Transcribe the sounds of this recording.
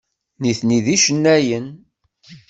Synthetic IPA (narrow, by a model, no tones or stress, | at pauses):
niθniðiʃənːæjən